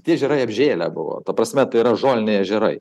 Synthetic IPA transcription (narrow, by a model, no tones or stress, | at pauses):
tʲiɛʒʲɛɾɐɪɐbʲʒʲeːlʲæ̰bʊ̰ʋo̰ːt̪ɐpɾɐsʲmʲɛt̪ɐɪiɾɐʒoːlʲnʲɛɪɐʒʲɛɾɐɪ